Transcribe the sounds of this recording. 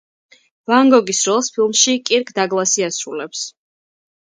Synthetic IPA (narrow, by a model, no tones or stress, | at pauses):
vaŋɡɔɡisɾɔlˠspʰilˠmʃikʼiɾkʰd̪aɡlˠasiasɾulɛps